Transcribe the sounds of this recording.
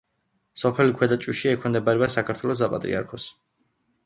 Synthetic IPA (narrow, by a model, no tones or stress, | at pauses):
sɔpʰɛlikʰwɛd̪at͡ʃʼuʃiɛkʰɔmd̪ɛbaɾɛbasakʰaɾt̪ʰwɛlɔs̬apʼat̪ʼɾḭa̰ɾkʰɔs